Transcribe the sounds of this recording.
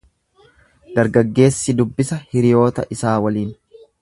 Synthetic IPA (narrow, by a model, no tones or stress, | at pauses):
d̪̥ɐɾɡɐɡːe̞ːsːɪd̪ʊbːɪsɐhɪɾɪjo̞ːt̪ɐ̰ʔɪsaːwɐliːn